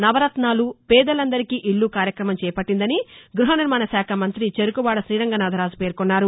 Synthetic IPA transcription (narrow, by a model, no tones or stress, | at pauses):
nɐʋɐɾɐt̪naːlupɛːd̪ɐlɐnd̪ɐɾikiːʔiɭːukaːɾjɐkɾɐmɐmt͡ʃɛːpɐʈːind̪ɐniɡɾuɦɐniɾmaːnɐsaːkʰɐmɐnt̪ɾit͡ʃeɾukuʋaːɽɐsɾiːɾɐŋɡɐnaːd̪ʱɐɾaːd͡ʒupe̞ːɾkunːaːɾu